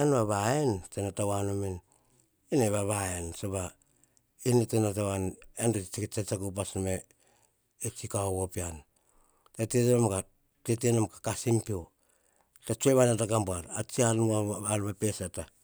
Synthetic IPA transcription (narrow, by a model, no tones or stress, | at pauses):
enβaβaentenatawanomin | ineβaβaensoβa | inetenatawanendoit͡ʃiket͡ʃat͡ʃakup̬asmeː | t͡ʃikaoβopian | teteteomka | tetenomkḁkasimpio | tat͡ʃueβanataɡambuaɾat͡ʃianaanmapesata